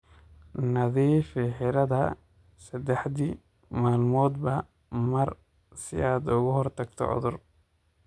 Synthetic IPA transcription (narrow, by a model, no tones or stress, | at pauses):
nɐðiːfɪħɪɾɐðɐ | sɐd̪ɛħd̪i | maːlmɔːd̪bɐ | mɐr | sɪ̰aːd̪ʊɣʊhɔrt̪ʰɐɡt̪ʰɔ̰ʕʊ̰ðʊr